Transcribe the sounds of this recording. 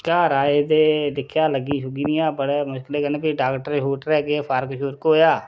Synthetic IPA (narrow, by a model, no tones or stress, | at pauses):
kaːɾaːed̪eːd̪ɪkʰjaːləɡiːʃʊɡiːniːãːbəɽeːmʊʃkɪleːkəneːpiɖaːkʈəɾɦoːʈɾɛːkepʰaɾkəʃuːɾkːɦoːjaː